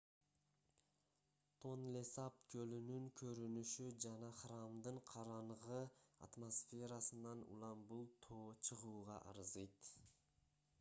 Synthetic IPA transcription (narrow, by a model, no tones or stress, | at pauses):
t̪ʰo̞nlesapkʰølynyŋkʰø̞ɾynyʃyd͡ʒɑnɑχramd̪ɯɴqʰɑɾɑɴʁɯa̰t̪mosfʲe̞ɾasɯnɑnṵlˠɑmbulˠt̪ʰoːt͡ʃʰɯʁuːʁɑ̰ʔɑ̰ɾɯzɯjt̪